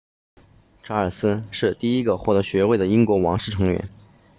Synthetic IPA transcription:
ʈ͡ʂʰa˧˥ə˞˨˩sɹ̩˥ʂɻ̩˥˧t̪i˥˩i˥ɡə˧xwɔ˥˩t̪ɤ˧˥ɕɥɛ˧˥we˥˩ɪd̪ə˩i˥ŋkwɔ˧˥wɑ̰˧˥ŋʂ̩˥˩ʈ͡ʂʰɤ˧˥ŋɥɛ̰˧˥n

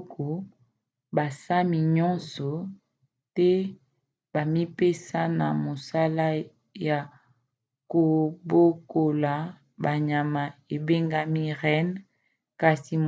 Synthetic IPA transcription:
ko˨ | ba˨sa˦mi˨ɲɔ̃˦nsɔ˨ | tɛ˦ | ba˨mi˦pe˦sa˦na˨mo˨sa˦la˦ | ja˨ | ko˨bo˦ko˨la˨ | ba˨ɲa˨ma˨e˨be˦ŋɡa˦mi˦ʁɛ˦n | ka˨si˨m

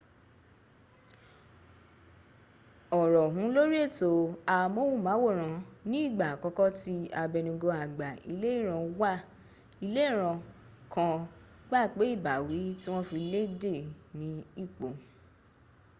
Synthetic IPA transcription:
ɔ˨ɾɔ˨ɦũ˨˦lo˦ɾi˦e˦˨to˨˧a˧mo˦wũ˦˨mãː˨˦wo˦˨ɾ̃ã˧nĩ˦i˦˨ɡ͡ba˨kɔ˧˦kɔ˦ti˦a˧bɛ˧nĩ˧ɡo˧a˨ɡ͡ba˨i˧le˦i˦˨ɾ̃ã˧wa˦˨ | i˧le˦i˦˨ɾ̃ã˧ | kʰã˧ | ɡ͡ba˦˨k͡pe˨˦i˦˨ba˨wi˨˦ti˦w̃ɔ̃˦fi˧le˦de˦˨nĩ˨˦i˦˨k͡po˨

